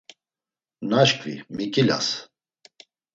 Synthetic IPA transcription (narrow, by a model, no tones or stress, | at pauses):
naʃkvḭmikʼila̰s